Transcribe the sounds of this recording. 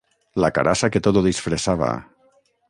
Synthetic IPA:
laka̰ɾʔasaket̪oðoðisfɾesaβa̰

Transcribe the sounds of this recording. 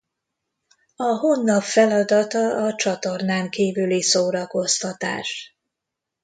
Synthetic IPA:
ɒɦonːɒpfɛlɒd̪ɒt̪ɒɒt͡ʃɒt̪o̞rnaːŋkiːvylisoːɾɒko̞st̪ɒt̪a̰ːʃ

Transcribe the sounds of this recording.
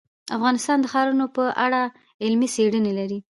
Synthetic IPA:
afɣɑnɪst̪ɑnd̪əxɑɾunopəʔaɽa | ɪlmiseɽənelaɾi

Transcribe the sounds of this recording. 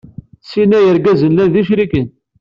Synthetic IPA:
sinæjəɾɡæzənlænðiʃɾikən

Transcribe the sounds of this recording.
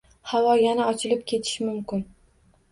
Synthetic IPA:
hawɒjanaɒt͡ʃʰɪlɪp̚kʲʰe̞t̪ʰɪ̥ʃmʊmkʲɪn

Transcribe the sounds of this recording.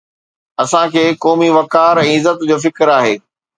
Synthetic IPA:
ɐsãkʰeːkɔːmiʋɐkaːɾɛ̃ːɪzət̪d͡ʑoːfɪkɾaːɦḛː

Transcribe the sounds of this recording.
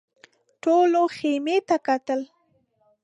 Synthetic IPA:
ʈoloxemet̪akat̪əl

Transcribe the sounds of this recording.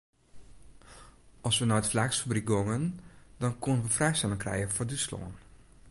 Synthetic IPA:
ɔlˠsʋənɔwtflɛksfabrik̚ɡoŋəndɔnkʰonənʋəfrɛjstɛlɪŋkrɛ̰jənfordəslo̰ːn

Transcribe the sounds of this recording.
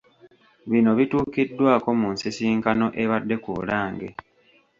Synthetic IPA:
βino̞βituːkidːwaːko̞muːnsisiːŋkano̞ʔe̞βadːe̞kṵlaːŋɡḛ

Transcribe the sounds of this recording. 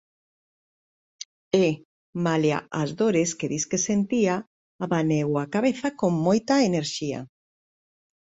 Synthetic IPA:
e | malja̰ʔazðoɾeskeðiskesent̪iaː | βanewakaβeθakoŋmojt̪ɐeneɾʃia̰

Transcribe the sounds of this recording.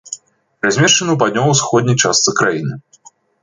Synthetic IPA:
ɾazʲmʲeʃt͡ʂɐnɐwp̬ad̪̚ʲnʲɔwɐwsxɔd̪ʲnʲɐjt͡ʂast̪sɨkɾajinɨ

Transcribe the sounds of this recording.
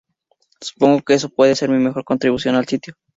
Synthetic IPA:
su̥po̞ŋɡokees̬opwe̞ðese̞ɾmime̞xo̞ɾko̞nt̪ɾiβusjo̞nalsit̪jo

